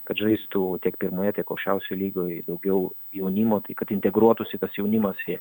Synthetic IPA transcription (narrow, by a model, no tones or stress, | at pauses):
kɐt̪ʒɐɪst̪uːt̪ʲiɛkpʲɪɾmoːjɛt̪ʲiɛkɐʊkʃʲt͡ʃʲɛʊsʲolʲiːɡoːd̪ɐʊɡʲɛʊ | jɛʊnʲimoːt̪ɐɪkɐt̪ɪnʲt̪ʲɛɡɾuɔt̪ʊsʲɪt̪ɐsjɛʊnʲɪmɐsi